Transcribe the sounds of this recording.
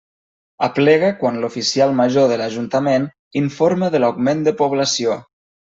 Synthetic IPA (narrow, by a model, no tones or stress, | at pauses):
aplɛɣəkwanlufisialˠmaʒoðəlaʒunt̪amen | iɱfoɾməðəlawɡmend̪əpuβ̞lasio